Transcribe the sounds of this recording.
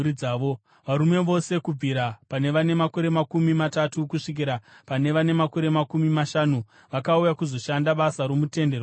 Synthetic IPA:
id͡zaːʋo | ʋaɾume̞ʋo̞se̞kub͡viɾapane̞ʋane̞mako̞ɾe̞makumimatatukuʂik̬iɾapane̞ʋane̞mako̞ɾe̞makumimaʃanu | ʋakaujakuzo̞ʃandaɓasaɾo̞mute̞nder

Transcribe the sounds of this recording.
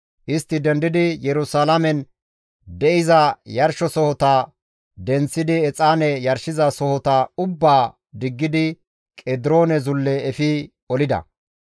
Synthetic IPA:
ʔɪst̪ːɪd̪ɛnd̪ɪd̪ɪjɛɾʊsaːlɐmɛn | d̪ɛʔɪzɐjɐɾʃɔsɔhɔt̪ɐ | d̪ɛnt͡sːɪd̪ɪɛt͡sʼaːnɛjɐɾʃɪzɐsɔhɔt̪ɐʊbːaː | d̪ɪɡːɪd̪ɪ | kʼɛd̪ɪɾo̞ːnɛzʊlːɛːfɪ | ɔlɪd̪ɐ̰

